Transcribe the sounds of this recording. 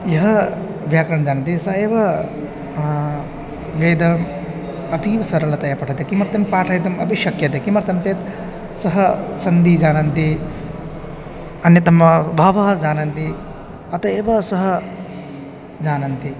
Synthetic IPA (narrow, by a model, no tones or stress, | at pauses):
jɐɦɐ | ʋjaːkɾɐɳɐd͡ʒaːnɐnt̪isɐeːʋɐ | ʋeːd̪ɐm | ɐt̪iːʋɐsɐɾɐlɐt̪ɐjɐpɐʈʰɐt̪ekimɐɾt̪ɐmpaːʈʰɐjd̪ɐmɐbʱiʃɐkjɐt̪ekimɐɾɐt̪ɐmt͡ʃeːt̪ | sɐɦɐsɐnd̪id͡ʒaːnɐnt̪i | ɐnjɐt̪ɐmːɐbʱaːʋɐɦɐd͡ʒaːnɐnt̪i | ɐt̪ɐeːʋɐsɐɦɐ | d͡ʒaːnɐnt̪i